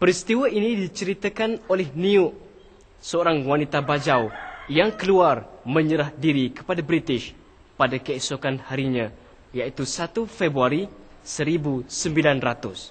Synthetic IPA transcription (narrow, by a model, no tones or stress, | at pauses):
pəɾist̪iwainĩdit͡ʃəɾit̪əkanolɛhnĩʊʔ | səoɾaŋwanit̪abad͡ʒawjaŋkəluarmə̃ɲəɾahdiɾikə̥padabɾit̪ɪʃ | padakəesokanhaɾiɲã | jait̪usat̪ufebɾuaɾi | səɾibusəmbilanrat̪ʊs